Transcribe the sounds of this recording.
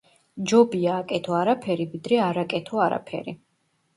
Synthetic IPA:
d͡ʒɔbiaːkʼɛt̪ʰɔaɾapʰɛɾivid̪ɾɛaɾakʼɛt̪ʰɔaɾa̰pʰɛ̰ɾi

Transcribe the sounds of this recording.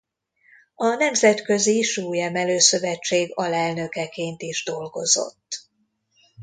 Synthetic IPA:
ɒnɛmzɛt̪kø̞ziʃuːjɛmɛløːsø̞vɛt͡ʃːeːɡɒlɛlnø̞kɛkeːnt̪iʒd̪o̞lɡo̞zo̞̰t̪ː

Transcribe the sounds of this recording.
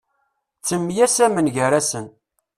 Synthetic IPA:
t͡sːəmːjæsæmənʝəɾæsən

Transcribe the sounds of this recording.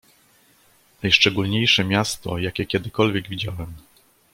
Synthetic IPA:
najʂt͡ʂɛɡulɲejʂɛmʲjast̪ɔjakʲɛkʲɛd̪ɘkɔlvʲjɛɡvʲid͡ʑawɛm

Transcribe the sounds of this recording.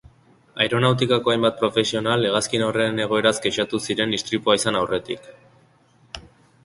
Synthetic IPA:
ajɾo̞nawt̪̬ikako̞ajmbat̪̚pɾo̞fe̞sio̞nale̞ɣaskinowre̞ne̞ɣ̞o̞e̞ɾazɡet͡ʃat̪usiɾe̞nist̪ɾit̪uaisanawre̞t̪ḭk

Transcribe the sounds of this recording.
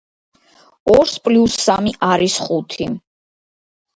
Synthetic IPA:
ɔɾspʼlusːamiʔaɾisχut̪ʰi

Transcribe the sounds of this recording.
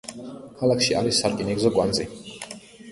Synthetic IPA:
kʰalakʰʃiʔaɾisːaɾkʼinɛɡzɔɡwand̪zi

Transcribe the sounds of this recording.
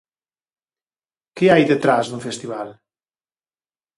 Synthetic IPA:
keajðət̪ɾazd̪uɱfest̪iβal

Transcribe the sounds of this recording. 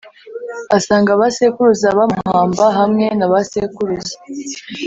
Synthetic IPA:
asaːŋɡaβasekuɾuzaβamuhhaːmbaɦamŋe̞naβasekuɾuzḁ

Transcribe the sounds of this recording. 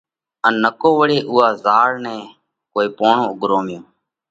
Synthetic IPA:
ənːəkoːʋəɽeːʔʊːɦaːzaːɾnɛ̃ː | koːiːpoːɳõːʊɠɾoːmɪjõː

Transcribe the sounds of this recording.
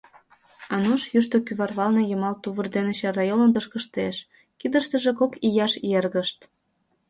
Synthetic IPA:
ɑnuʃjyʃt̪okyβɑrβɑlnejəmɑlt̪uβərd̪enet͡ɕɑrɑjonənt̪əʃkəʃt̪eʃ | kid̪əʃt̪əʒekokijɑʃerɣəʃt̪

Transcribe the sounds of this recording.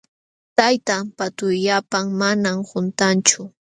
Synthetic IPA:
t̪ajt̪ampat̪ʊjʎapaŋmanamhʊnt̪ant͡ʃʊ

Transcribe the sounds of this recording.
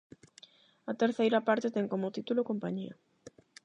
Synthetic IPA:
ɐt̪eɾθejɾɐpaɾt̪et̪ɛŋkomʊt̪it̪ulokompaɲiɐ

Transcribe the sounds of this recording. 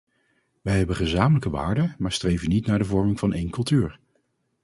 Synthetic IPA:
ʋɛjɦɛbəχəzaːmələkəʋa̰ːɹdəmaːɹstrejvənitnaːɹdəvɔɹmɪŋvɑnʔejnkɵlˠtyːɹ

